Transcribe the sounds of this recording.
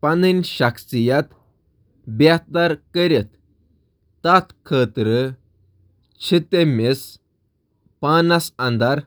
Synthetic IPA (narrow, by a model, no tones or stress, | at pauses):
paninɕaksijat̪ | bjat̪aɾkəɾet̪ː | at̪kʰət̪ɾə | t͡ɕʰit̪emis | panasãnd̪aɾ